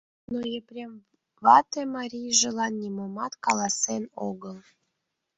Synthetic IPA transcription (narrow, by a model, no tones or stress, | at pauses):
nojeprʲem | βɑt̪emɑɾʲijʒə̆lɑnːʲimomɑt̪kɑlˠɑsenoɣəlˠ